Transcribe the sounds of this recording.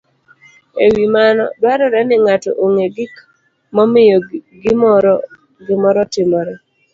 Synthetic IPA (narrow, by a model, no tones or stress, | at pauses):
ewimanɔ̰dwaɾɔɾɛnɪŋatɔ̰ʔoŋeɡɪk | mɔmɪjɔɡɪmɔɾ | ɡɪmɔɾɔtɪmɔɾɛ